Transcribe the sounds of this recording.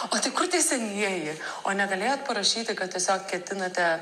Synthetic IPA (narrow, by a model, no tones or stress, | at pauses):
oːt̪ɐɪkʊɾt̪ʲɛɪsʲɛnʲiɛjɪoːnʲɛɡɐlʲeːjoːt̪̚pɐɾɐʃʲiːt̪ʲɪkɐt̪t̪ʲiɛsʲoːkkʲɛt̪ʲɪnɐt̪ʲɛ